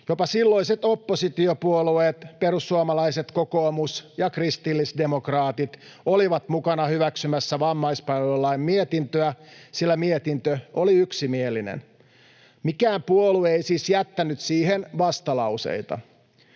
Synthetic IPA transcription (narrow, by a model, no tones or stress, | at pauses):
jopɑsilːo̞iset̪o̞pːosit̪iopuolueːt̪peɾusːuomɑlɑise̞t̪ko̞ko̞ːmusjɑkrist̪ilːisde̞mokrɑːt̪it̪ | oliʋɑt̪mukɑnɑhyʋæksymæsːæʋɑmːɑjspɑʋolːɑimmiet̪int̪øæsilːæmiet̪int̪øoliyksimielːinḛn | mikæːmpuolueisiːsjæt̪ːænyt̪siːɦenʋɑst̪ɑlɑuse̞̰jt̪ɑ̰